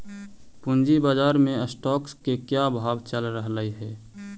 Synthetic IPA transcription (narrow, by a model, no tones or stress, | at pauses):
pʊnd͡ʒibaːd͡ʒaːɾmẽəsʈɔːkskekjabʱaːʋt͡ʃəlɾəɦləiɦɛː